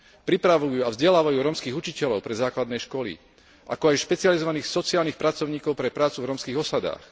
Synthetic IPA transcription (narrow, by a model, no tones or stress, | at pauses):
pɾipɾaʋujuːavzɟɛlaːʋajuːɾɔmskiːɣut͡ʃicɛʎɔʊpɾɛzaːklad̪nɛjʃkɔlḭ | ʔa̰kɔajʃpɛt͡sializɔʋaniːxsɔt͡siaːlniːxpɾat͡sɔʊɲiːkɔʊpɾɛpɾaːt͡suvɾɔmskiːɣɔsad̪a̰ːx